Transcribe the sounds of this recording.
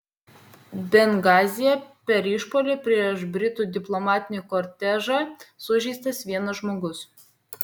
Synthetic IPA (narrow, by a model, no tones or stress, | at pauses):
bʲɛŋɡɑːzʲɪjɛpʲɛɾɪʃpoːlʲɪpʲɾʲiɛʃbʲɾʲɪt̪uːd̪ʲɪplˠɔmɑːt̪ʲɪnʲikɔɾʲt̪ʲæʒɑsʊʒʲɛɪst̪ɐsʋʲiɛnɐʒmoːɡʊs